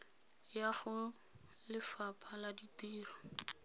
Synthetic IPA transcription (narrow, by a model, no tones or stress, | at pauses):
jaχʊ | lɪfapʰaladitiːrɔ